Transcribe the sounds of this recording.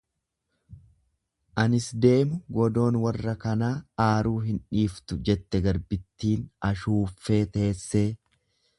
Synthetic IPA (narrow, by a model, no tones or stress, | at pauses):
ʔɐnɪsd̪e̞ːmʊɡɔd̪o̞ːnwɐrːɐkɐnaːaːɾuːɦɪnᶑiːft̪ʊd͡ʒɛt̪ːɛɡɐɾbɪt̪ːiːnɐʃuːfːe̞ːt̪e̞ːsːeː